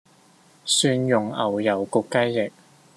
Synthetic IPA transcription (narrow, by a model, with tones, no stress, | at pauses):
syː˧njʊ˨ŋɐ˨˩wjɐ˨˩wkʊ˧kːɐ˥jːɪ˨k̚